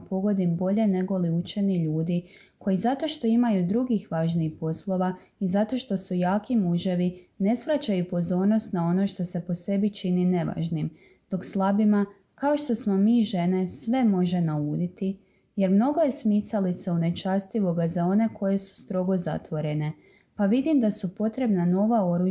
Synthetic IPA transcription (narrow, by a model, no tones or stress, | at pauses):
po̞ɡo̞d̪imbo̞ʎe̞ne̞ɡo̞liut͡ʃe̞niʎuːd̪i | kʰo̞jizat̪o̞ʃt̪o̞imajud̪ɾuɡixʋaːʒniixpo̞slˠo̞ʋa | izat̪o̞ʃt̪o̞sujaːkimuʒe̞ʋine̞sʋɾat͡ɕajupo̞zo̞ːɾno̞st̪nao̞no̞ʃt̪o̞se̞po̞se̞bit͡ʃinine̞ʋa̰ːʒnim | d̪̥o̞kslˠabima | kao̞ʃt̪o̞smo̞miːʒe̞ne̞sʋe̞mo̞ʒe̞nauːd̪it̪i | je̞ɾmno̞ɡo̞je̞smisalit̪saune̞t͡ʃast̪iʋo̞ɡazao̞ne̞kʰo̞je̞su̥st̪ɾo̞ɡo̞za̰t̪ʋo̞ɾene̞ | paʋid̪imd̪asupo̞t̪ɾe̞bnano̞ʋao̞ɾu